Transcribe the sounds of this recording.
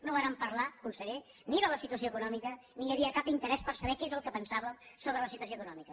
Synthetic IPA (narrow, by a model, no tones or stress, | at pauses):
noβaɾəmpəɾlakunsəɾe | niɾələsit̪uəs̬joəkunɔmikə | niəβiəkapint̪əɾɛspəɾsəβɛkezəlˠkəpənsaβəsoβɾələsit̪uəs̬oəkunɔmikə